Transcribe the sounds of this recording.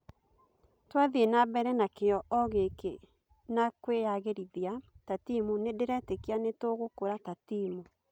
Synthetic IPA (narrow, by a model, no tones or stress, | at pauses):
twaðienabɛɾɛnakeɔʔɔɣeke | nakwejaɣeɾiðiatatimunedeɾɛtekeanetoɣokoɾatatimu